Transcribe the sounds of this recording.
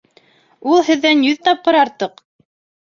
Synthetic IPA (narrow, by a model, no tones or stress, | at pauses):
ulˠhɘ̆ðːænjɵðt̪ɑp̚qɤ̆ɾɑɾt̪ɤq